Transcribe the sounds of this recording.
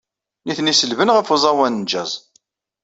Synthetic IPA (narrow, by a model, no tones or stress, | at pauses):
niθnisəlvənʁəfzˤɑwænd͡ʒæzˤ